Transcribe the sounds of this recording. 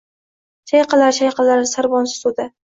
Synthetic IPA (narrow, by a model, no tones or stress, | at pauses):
ʃajqɑlaɾʃajqɑlaɾsaɾbɒnsɪ̥sud̪a